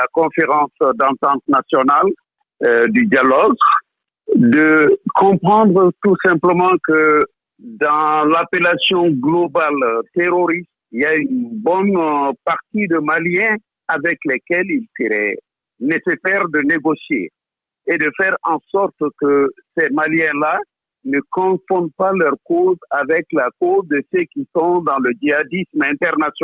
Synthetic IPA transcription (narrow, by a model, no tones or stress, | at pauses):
akɔ̃feʁɑ̃sd̪ɑ̃t̪ɑ̃t̪nasjɔnal | d̪yd̪jalɔɡ | d̪əkɔ̃pχɑ̃d̪ʁət̪usɛ̃mpləmɑ̃kə | d̪ɑ̃lapelasjɔ̃ɡlobalt̪eɾoɾist̪iljaynbɔnpaʁt̪id̪əmaljɛ̃ | avɛklɛkɛlilsəɾɛ̰ | nesesɛʁd̪əneɡosjḛ | ed̪əfɛʁɑ̃sɔʁt̪kəsɛmaljɛ̃la | nəkɔ̃fɔ̃d̪̚palœʁkozavɛklakozd̪əsøkisɔ̃d̪ɑ̃ləd͡ʒiad̪ismɛ̃t̪ɛʁnasjɔ